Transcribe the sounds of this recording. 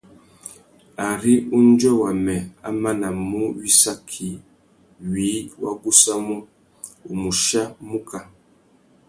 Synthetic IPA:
a˨ɾi˦u˦n˦d͡ʒɔ˦wa˨mɛ˨a̰˦ma˦na˨mu˦wi˦sa˦kʰi˨ | ɥi˨˦wa̰˦ɡu˦sa˦mu˦ | u˨mu˨ʃa˦mu˦ka˨

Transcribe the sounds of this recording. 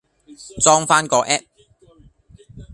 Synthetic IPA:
t͡sɔː˥ŋfaː˥nkɔː˧ʔɛː˥p̚

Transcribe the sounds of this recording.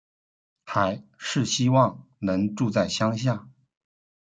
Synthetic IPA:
xa˧˥ɪʂɻ̩˥˩ɕi˥wɑ˥˩ŋnɤ˧˥ŋʈ͡ʂu˥˧t͡sa˥˩ɪɕjɑ˥ŋɕ̬ja˥˩

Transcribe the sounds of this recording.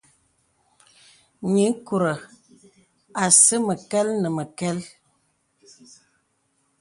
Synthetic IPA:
ɲi˨˦ŋ˦ku˨ɾə˨ | a˨sə˦mə˨kɛ˦lnə˨mə˨kɛ˦l

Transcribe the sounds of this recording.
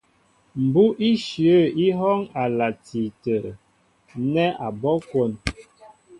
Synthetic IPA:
m̩˨bu˦ʔi˦ʃjə˦˨i˦ɦɔ˦ŋa˨la˨ti˨tə˨ɾ | nɛ˦a˨bɔ˦kwo˦˨n

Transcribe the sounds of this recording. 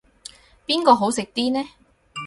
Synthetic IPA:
piː˥nkɔː˧ɦo˨˥wsɪ˨k̚t̪iː˥nɛː˥

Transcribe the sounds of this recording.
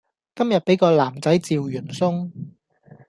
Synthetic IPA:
kɐ˥mjɐ˨t̚pe˨˥jkɔː˧laː˨˩mt͡sɐ˨˥jt͡siː˨wjyː˨˩nsʊ˥ŋ

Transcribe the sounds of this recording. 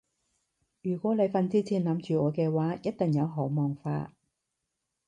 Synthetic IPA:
jyː˨˩kʷɔː˨˥le˨˧jfɐ˨˧nt͡siː˥t͡sʰiː˨˩nlɐ˨˧mt͡ʃyː˨ɔː˨˧kɛː˧waː˨˥jɐ˥t̚t̪ɪ˨˩ŋjɐ˨˧wɦɔː˨˥mɔː˨˩ŋfa̰ː˧

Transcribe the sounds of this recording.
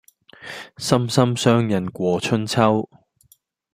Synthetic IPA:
sɐ˥msɐ˥msœː˥ŋjɐ˨˩nkʷɔː˨˧t͡ʃʰɵ˥nt͡sʰɐ˥w

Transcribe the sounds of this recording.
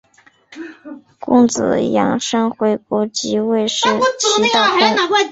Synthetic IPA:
kʊ̰˥˩ŋt͡sɹ̩̰˨˩jɑ̰˧˥ŋʂɤ˥ŋxwe˧˥ɪkɔ˧˥t͡ɕi˧˥we˥˧ɪʂɻ̩˥˩i˥t̪ɑ˥˩ka˥˧˥

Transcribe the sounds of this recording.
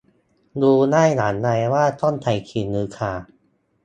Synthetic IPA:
duː˧naː˥˩jnaː˩˦nːa˧jwaː˥˩t̪ɔ˥˩˨nt̪ʰa˨˧˩jkʰiː˨˩nːɯː˧kʰaː˨˩

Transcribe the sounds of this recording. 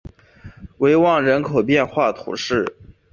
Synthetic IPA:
we˧˥ɪwɑ˥˩ŋɻə˧˥nkʰo˨˩ʊpjɛ˥˧nxwa˥˩t̪ʰṵ˧˥ʂɻ̩˥˩

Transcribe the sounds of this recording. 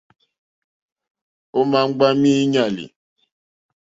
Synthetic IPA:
o˦ma˦ŋ͡m̩˦ɡ͡ba˦mi˦ɲa˨lḭ˨

